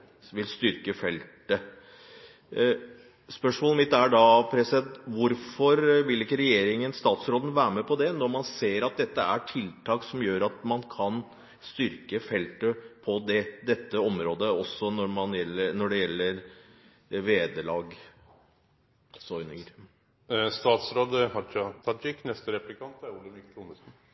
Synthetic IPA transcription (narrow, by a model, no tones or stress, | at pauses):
ʋɪlst̪ʏɾkəfɛlt̪ə | spœʂmoːləmɪt̪ːæɖɑːpʰɾɛsɪd̪ɛnt̪ʋʊɾfɔɾʋɪlɪkːəɾɛjeːɾɪŋənst̪ɑːt̪sɾoːd̪n̩ʋæːɾəmɛpʰɔd̪ɛnɔɾmɑnseːɾɑt̪̚d̪ɛt̪ːəæʈʰɪlt̪ʰɑːksɔmjøːɾɑt̪mɑnkʰɑn | st̪ʏɾkəfɛlt̪əpʰɔd̪ɛd̪ɛt̪ːəɔmɾoːd̪əɔsːɔnɔɾmɑnjɛlːənɔɖɛjɛlːəɾ | ʋeːd̪əlɑːɡ | sɔʏnyɾ | st̪ɑːt̪sɾoːd̪hɑt͡ʃɑt̪ʰɑd͡ʒɪkːnɛst̪əɾɛplɪkʰɑnt̪æɾuləmɪkːt̪unəsn̩